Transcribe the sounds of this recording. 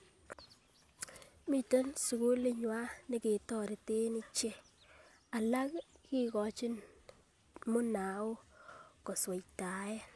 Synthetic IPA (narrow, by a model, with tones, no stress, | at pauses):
mi˨te˦nsu˨ku˦lɪ˦ɲwa˦nɪ˦ke˨tɔ˦ɾi˨te˦ni˦t͡ʃe˦ | a˨la˦kki˦kɔ˨t͡ʃɪ˦n | mʊ˦na˨o˦kɔ˨swe˨jta˨e˦